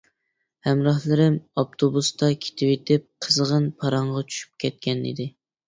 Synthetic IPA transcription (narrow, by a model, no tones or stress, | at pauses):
hɛmɾɑhlˠɨɾɪmɑp̚t̪ʰobust̪ɑkʲʰe̥t̪ʰɪwet̪ʰɪp̚qʰəzʁənpʰɑɾɑɴʁɑt͡ʃʰy̥ʃy̥p̚kʲʰɛt̪̚kʲɛnḭd̪ɪ